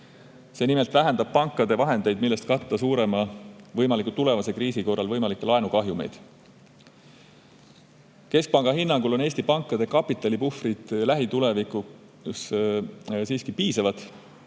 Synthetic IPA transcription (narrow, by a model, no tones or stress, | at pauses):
se̞ːnimelt̪væɦænd̪ɑb̥̚pɑŋkːˑɑd̪e̞vɑɦe̞nd̪̥e̞jd̪̥milːest̪̚kɑːɑsuːɾe̞mɑvɤjmɑlikːˑut̪ule̞vɑse̞kriːsiko̞rːɑlvɤjmɑlikːˑelɑenukɑɦjume̞̰jd̪̥ | ke̞sk̚pɑŋɡ̥ɑɦinːɑŋɡ̥ulo̞ne̞ːsʲt̪ipɑŋkˑːɑd̪̥e̞kɑpːˑit̪ːˑɑlipufrid̪̥læɦit̪ule̞vikˑu | s | siːskipiːsɑvɑd̪̥